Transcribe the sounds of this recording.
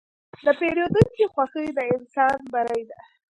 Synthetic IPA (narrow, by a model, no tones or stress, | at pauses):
d̪əpeɾjod̪uŋkixwaxəjd̪əɪnsɑnbaɾajd̪a